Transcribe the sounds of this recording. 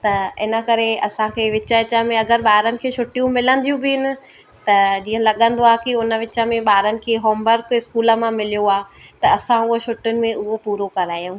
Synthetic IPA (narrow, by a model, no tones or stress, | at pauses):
t̪ɐɪnəkɐɾeɐsãkʰeːʋɪt͡ɕəɪt͡ɕəmẽɐɡəɾɓaːɾənɪ̆kʰeːʃʊʈijũmɪlə̃nd̪ijũbɪɪnɪ̆ | t̪ɐd͡ʑiːə̃lɐɠə̃n̆d̪oaːkiʊnəʋɪt͡ɕəmẽɓaːɾənɪ̆kʰeːɦoːmbəɾkɪskuːləmãmɪlijoaːt̪ɐɐsãʊɦoʃʊʈʊnɪ̆mẽʔʊɦopuːɾokɐɾaːjũː